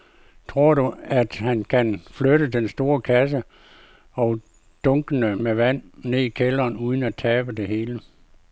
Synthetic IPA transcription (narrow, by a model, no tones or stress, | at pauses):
t͡sʰʁo̝ɐ̰ɾ̥uæd̥hænkʰænfløɾədensd̥o̝ːɐkʰæs̬ə | ɒ̽ʊ | d̥ɔ̽ŋɡ̥ənəmeʋæn̰ne̝ikʰelɐːnuð̞ˠn̩æt͡sʰɛːb̥əd̥e̝ɦe̝ːlə